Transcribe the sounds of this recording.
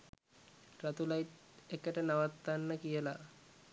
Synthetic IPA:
rat̪ulajt̪ekəʈənaʋat̪ːanːəkijəla

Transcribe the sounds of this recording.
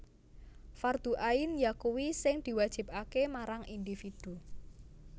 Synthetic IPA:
fard̪̥ṳʔainjakuwisɪŋd̪̥i̤wad̥ʒ̥i̤p̚akemaɾaŋʔind̪ifid̪̥u

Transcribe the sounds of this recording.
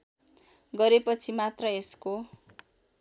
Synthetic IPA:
ɡʌɾepʌt͡sʰimat̪rʌesko

